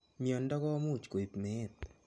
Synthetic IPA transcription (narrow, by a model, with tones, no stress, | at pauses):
mi˨ɔ˨ndɔ˦kɔ˦mu˦˨t͡ʃko˨i˨pme˨˦˨t̪̚